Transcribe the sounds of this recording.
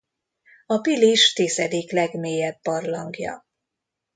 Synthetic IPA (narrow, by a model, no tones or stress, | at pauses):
ɒpiliʃt̪iːzɛd̪iklɛɡmeːjɛbːɒrlɒŋɡjɒ̰